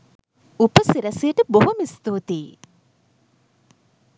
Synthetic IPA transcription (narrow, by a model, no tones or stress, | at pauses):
upəsiɾɐsijəʈəboɦumist̪oːt̪eː